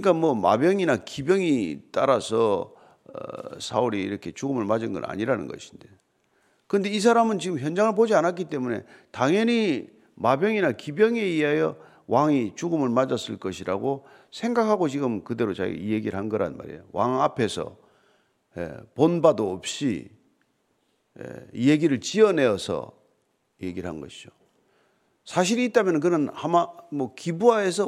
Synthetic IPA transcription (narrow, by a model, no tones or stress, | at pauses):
kɯɲik͈amwʌma̰bjʌŋinakibjʌŋit͈aɾasʰʌ̰ | sʰauɾiiɾʌkʰe̞t͡ɕuɡɯmɯɭmad͡ʑɯnɡʌ̰na̰ɲiɾanɯ̰nɡʌ̰ɕʰi̥nde̞ | kɯɯnde̞is̬ʰaɾamɯnt͡ɕiɡɯmçjʌnd͡ʑaŋɯɭpod͡ʑianat̚k̬͈it͈e̞mune̞̰taŋjʌɲi | mabjʌŋinakibjʌŋe̞iɦajʌ | waŋit͡ɕuɡɯmɯɭmad͡ʑʌs͈ɯɭk͈ʌɕʰiɾaɡo | sʰe̞ŋɡakʰaɡot͡ɕiɡɯmkɯde̞ɾot͡ɕa̰ɡ̰ijeɡiɾɯɭɦanɡʌɾa̰nma̰ɾḛjowaŋapʰe̞sʰʌ̰ | jḛponbadoːp̚ɕ͈ḭ | jḛije̞ɡiɾɯɭt͡ɕiʌne̞ʌsʰʌ̰ | je̞ɡiɾɯɭɦa̰nɡʌ̰ɕʰid͡ʑo | sʰaɕ̬ʰiɾiːt̚t͈amjʌnɯnk̬ɯnɯnhamamʌkibuae̞sʰʌ